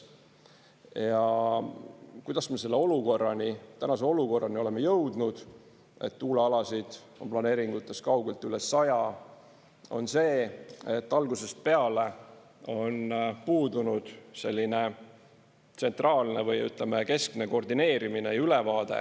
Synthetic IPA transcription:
jɑ | kujd̪ɑsme̞se̞lːe̞o̞luko̞rːɑnit̪ænɑse̞o̞luko̞rːɑnio̞lemːejɤwd̪̥nud̪̥ | e̞̰t̪ːuːleɑlɑsid̪̥ | o̞nplɑne̞ːɾiŋɡ̥ut̪ːˑe̞skɑwɡ̥e̞lt̪ːˑylesːɑjɑ | o̞̰nse̞ːe̞t̪ːɑlɡuse̞st̪̚pe̞ɑle̞ | o̞npuːd̪unud̪̥se̞lʲːine | t̪se̞nt̪rɑːlnevɤjyt̪ˑlemeke̞skne̞ko̞rd̪ine̞ːɾiminejylevɑːd̪̥e̞̰

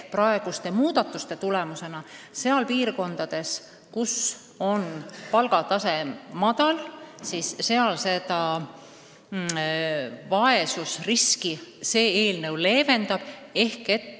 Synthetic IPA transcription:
prɑe̞ɡ̥ust̪e̞muːd̪̥ɑt̪ːˑust̪e̞t̪ule̞muse̞nɑse̞ɑlpiːrko̞nd̪̥ɑd̪̥e̞s | kus | o̞npɑlɡ̥ɑt̪ɑse̞mɑd̪̥ɑlsisːe̞ɑlse̞d̪ɑ | vɑe̞susriskise̞ːeːlnɤwle̞ːve̞nd̪ɑb̥e̞hket̪ː

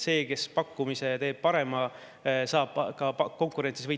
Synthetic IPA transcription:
se̞ːke̞spɑkːumise̞t̪e̞ːb̥̚pɑɾe̞mɑ | sɑːb̥kɑko̞ŋkuɾe̞nsisvɤj

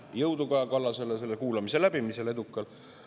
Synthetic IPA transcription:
jɤwd̪ukɑɑkɑlːɑse̞lese̞lːekuːlɑmise̞læb̥imise̞le̞d̪ukːˑɑl

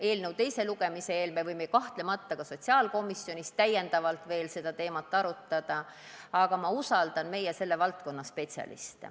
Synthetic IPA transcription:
e̞ːlnewt̪e̞jse̞luɡ̥e̞miseeːlmevɯjmeikɑht̪le̞mɑt̪ːɑkɑso̞t̪ʲsiɑːlko̞misːjo̞nʲistt̪æjːend̪̥ɑvɑlt̪ve̞ːlse̞d̪̥ɑt̪e̞ːmɑt̪ːˑɑɾut̪ːˑɑd̪̥ɑ | ɑɡ̥ɑmɑusɑld̪̥ɑnme̞jɛse̞lːevɑlt̪ko̞nːɑspe̞t̪ʲsʲɑ̰lḭst̪

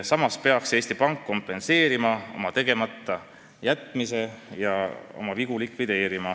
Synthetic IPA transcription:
sɑmɑspe̞ɑkse̞ːst̪ipɑŋkːo̞mpˑe̞nse̞ːɾimɑo̞̰mɑt̪e̞ɡ̥e̞mɑt̪ˑːɑ | jæt̪ˑmise̞jɑo̞̰mɑviɡ̥ulikvid̪̥e̞ːɾimɑ

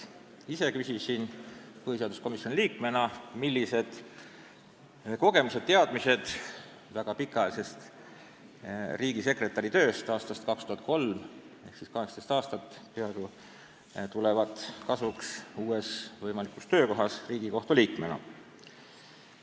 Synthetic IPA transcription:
ise̞kysʲisinpɤhis̬eɑd̪usko̞misjonʲiliːkme̞nɑmilːise̞d̪̥ | ko̞ɡ̥e̞mused̪̚t̪e̞ɑd̪mise̞d̪̥ | væɡ̥ɑpikˑːɑjɑlse̞st̪ | riːɡise̞kre̞t̪ːˑɑɾit̪øːst̪ɑːst̪ɑst̪kɑkst̪uhɑt̪̚ˑko̞lm | e̞hksiskɑɦekst̪est̪ɑːst̪ɑt̪ːˑpeɑeɡo | t̪ulevɑt̪ˑkɑsvuksuːe̞svɤjmɑlikːˑust̪ø̞ːko̞ɦɑsriːɡ̥iko̞ht̪uliːkme̞nɑ̰

